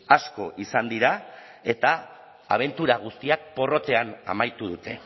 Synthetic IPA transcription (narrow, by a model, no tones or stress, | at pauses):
asko̞ʔisand̪iɾa | e̞t̪aː | β̞e̞nt̪uɾaɣ̞ust̪iak̚po̞ro̞t̪e̞ana̰majt̪uðut̪e̞